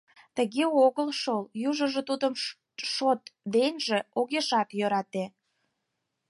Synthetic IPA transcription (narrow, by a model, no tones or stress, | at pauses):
t̪əɣeoɣəlʃoljuʒə̆ʒĕt̪ud̪əm | ʃot̪βenʲʒĕoɣeʃɑk̪jøɾɑt̪e